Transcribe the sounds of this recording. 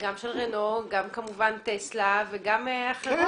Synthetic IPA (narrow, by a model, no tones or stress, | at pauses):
ɡamʃelʁenoɡamkamuvant̪eslaveɡameaχ